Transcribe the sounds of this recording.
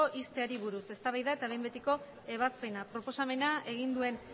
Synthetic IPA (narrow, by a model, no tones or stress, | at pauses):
oʔist̪e̞aɾiβuɾuse̞st̪aβajðaet̪aβe̞jmbet̪iko̞ | e̞β̞aspe̞napɾo̞po̞same̞nae̞ɣ̞ind̪ue̞n